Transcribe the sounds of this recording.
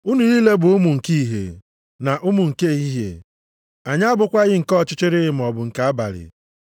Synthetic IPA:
u˦nu˨ni˦le˦bʊ˨ʊ˦mu˨ŋ̩˨ki˦i˨ɦḛ˨ | na˨ʔʊ˦mʊ˨ŋ̩˨ke˦˨ɦi˦ɦḛ˨ | a˨ɲa˦bʊ˨kʷa˦ɣɪ˦ŋ̩˨kɔ˦˨t͡ʃɪ˦t͡ʃɪ˦ɾɪ˦ɪ˨m̩˨ɔ˨bʊ˨ŋ̩˨ka˨a˦ba̰˨ɾɪ̰˨

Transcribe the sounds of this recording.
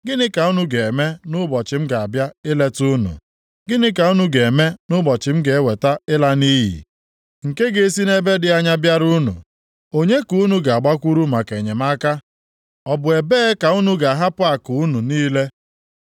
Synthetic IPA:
ɡɪ˦nɪ˦ka˨u˦nu˦ɡe˨e˨me˦nʊ˦bɔ˨t͡ʃɪ˨m̩˦ɡa˨a˨bja˦ɪ˦le˦tu˦nṵ˨ | ɡɪ˦nɪ˦ka˨u˦nu˦ɡe˨e˨me˦nʊ˦bɔ˨t͡ʃɪ˨m̩˦ɡe˨e˦we˨ta˦ɪ˦la˦ni˦ɦḭ˨ | ŋ̩˨ke˦ɡe˨˦si˦ne˦be˦dɪ˨a˦ɲa˦bja˦ɾu˦nṵ˨ | o˦ɲe˦ku˦nu˨ɡa˨a˨ɡ͡ba˦kʷu˦ɾu˦ma˨ke˨ɲe˨ma˦ka˦ | ɔ˨bʊ˨e˨beː˦ka˨u˦nu˦ɡa˨ɦa˦pʊ˦a˨kʊ˨u˦nu˨niː˦le˦

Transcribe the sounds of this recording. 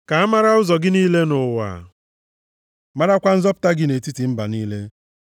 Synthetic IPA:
ka˨a˦ma˦ɾa˦ʊ˦zɔ˨ɡɪ˦niː˦le˦nʊ˨wa̰˨ | ma˦ɾa˦kʷa˦n̩˦zɔ˦pʊ̥˦ta˦ɡɪ˦ne˨ti˦ti˨m̩˦ba˨niː˦le˦

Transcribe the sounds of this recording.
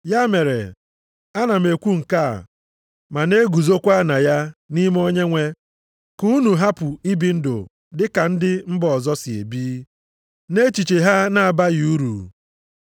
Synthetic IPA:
ja˦me˨ɾḛ˨ | a˦na˨m̩˨e˨kʷu˦ŋ̩˨ka̰˦˨ | ma˨ne˦ɡu˨zo˦kʷa˦na˨ja˦ni˦m˦o˦ɲe˦ŋʷe˦ | ku˦nu˨ɦa˦pʊ˨i˦bi˨n̩˦do̰˨ | dɪ˦ka˨n̩˦dɪ˦m̩˦bɔ˨ɔ˨zɔ˦sɪ˨ḛ˨biː˦ | ne˦t͡ʃi˨t͡ʃe˨ɦa˦na˨a˨ba˦ɣu˦ɾṵ˨

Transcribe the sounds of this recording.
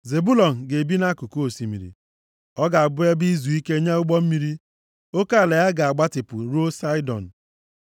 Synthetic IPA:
ze˨bu˦lɔ˨n̩˨ɡe˨bi˦na˦ku˨ko˦o˨si˨mḭ˨ɾḭ˨ | ɔ˦ɡa˨a˨bʊ˦e˦bi˦zu˨i˦ke˦ɲe˦ʊ˦ɡ͡bɔ˦m̩˦mi˨ɾi˦ | o˦ka˦˨le˨ja˦ɡa˨a˨ɡ͡ba˦tɪ˨pʊ̰˨ɾo˦sa˦ɪ˦dɔ̰˨n̩˨

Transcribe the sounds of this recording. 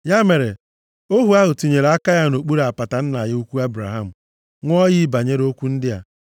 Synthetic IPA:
ja˦me˨ɾe˨ | o˦ɦu˨a˦ɦʊ˨ti˨ɲe˨ɾa˦ka˦ja˦no˨k͡pu˦ɾa˨pa˨ta˨n̩˦na˨jɪ˦u˦kʷu˦a˦bɾa˨ɦa˦˨m̩˨ | ŋʷ˦ɔ˦ji˦ba˨ɲe˦ɾo˦kʷu˦n̩˦dɪ˦ja˦˨

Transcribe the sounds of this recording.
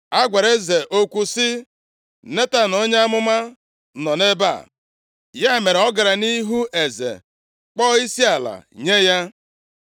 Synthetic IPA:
a˦ɡʷe˨ɾe˦ze˨ʔo˦kʷu˦sɪ˦ | ne˦ta˦no˦ɲ˦a˦mʊ˦ma˦ | nɔ˨ne˦ba̰˦˨ | ja˦e˨me˨ɾe˨ɔ˦ɡa˨ɾa˨ni˦ɦu˦ʔe˨zḛ˨ | k͡pɔ˦i˦si˦a˨la̰˨ɲe˦ja˦

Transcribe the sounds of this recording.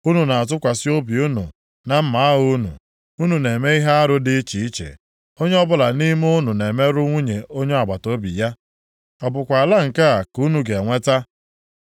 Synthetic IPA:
u˦nu˨na˨a˨t̬ʊ˦kʷa˨sɪ˦o˦bi˨u˦nṵ˨ | na˨m̩˦ma˨˦u˦nṵ˨ | u˦nu˨ne˨me˦i˦ɦe˦a˦ɾʊ˦dɪ˦t͡ʃi˨i˦t͡ʃḛ˨ | o˦ɲe˦ɔ˦bʊ˦la˨ni˦m˦ʊ˦nu˨ne˨me˦ɾʊ˦ŋʷu˦ɲe˨ʔo˦ɲe˦a˨ɡ͡ba˨to˦bḭ˨ja˦ | ɔ˨bʊ˨kʷa˨a˨la˦ŋ̩˨ka˦a˨ku˦nu˨ɡe˨ŋʷe˦ta˦

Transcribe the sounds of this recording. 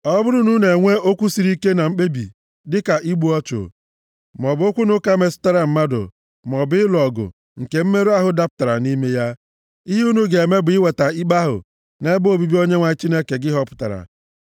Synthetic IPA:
ɔ˦bʊ˦ɾʊ˦nu˦ne˨ŋʷe˦o˦kʷu˦si˨ɾi˦ke˦na˨m̩˦k͡pe˦bḭ˨ | dɪ˦ka˨ʔi˦ɡ͡bu˨˦ɔ˦t͡ʃo̰˨ | m˨ɔ˨bo˦kʷu˦nʊ˦ka˦me˨sʊ̥˦ta˦ɾa˨m̩˦ma˦dʊ̰˨ | mɔ˨bɪ˦lɔ˨ɡʊ̰˨ | ŋ̩˨ke˨m̩˦me˦ɾu˦a˦ɦʊ˨da˦pʊ̥˦ta˨ɾa̰˨ni˦me˦ja˦ | i˦ɦu˦nu˦ɡe˨me˦bʊ˨ɪ˦we˨ta˨i˦ɡ͡ba˦ɦʊ̰˨ | ne˦bo˦˨bi˦bi˦o˦ɲe˦ŋʷa˨˦t͡ʃi˦ne˦ke˨ɡɪ˦ɦɔ˦pʊ̥˦ta̰˨ɾa̰˨

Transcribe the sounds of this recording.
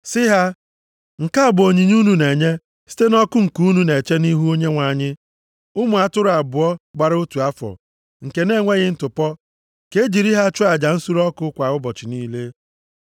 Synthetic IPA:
sɪ˦ɦa˦ | ŋ̩˨ka˦a˨bʊ˨o˨ɲi˨ɲ˦u˦nu˨ne˨ɲe˦ | si̥˦te˦nɔ˦kʊ˦ŋ̩˨ku˦nu˦ne˨t͡ʃe˦ni˦ɦu˦o˦ɲe˦ŋʷa˨ɲɪ˦ | ʊ˦mʊ˨a˨tʊ˦ɾʊ˨˦a˨bʊ˨ɔ˦ɡ͡ba˨ɾu˦tu˨a˦fɔ̰˨ | ŋ̩˨ke˨ne˦˨ŋʷe˦ɣɪ˦n̩˨tʊ˨pɔ˦ | ke˦d͡ʒi˨ɾi˦ɦa˦t͡ʃʊ˦a˨d͡ʒa˨n̩˦su˦ɾɔ˦kʊ˦kʷa˨wʊ˦bɔ˨t͡ʃɪ˨niː˦le˦

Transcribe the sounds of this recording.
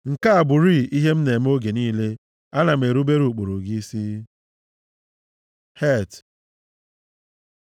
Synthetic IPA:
ŋ̩˨ka˦a˨bʊ˨ɾi˦i˦ɦe˦m̩˦ne˨m̩˦o˦ɡe˨niː˦le˦ | a˦na˨m̩˨e˨ɾu˦be˦ɾu˨k͡po˨ɾu˨ɡi˦si˦ | he˦˨t

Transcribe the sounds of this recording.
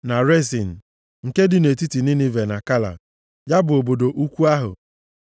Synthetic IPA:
na˨ɾe˦sḭ˨n̩˨ | ŋ̩˨ke˦dɪ˨ne˨ti˦ti˨nɪ˦nɪ˦ve˨na˨ka˦la̰˨ | ja˦bʊ˨o˨bo˨do˨ʔu˦kʷu˦a˦ɦʊ̰˨

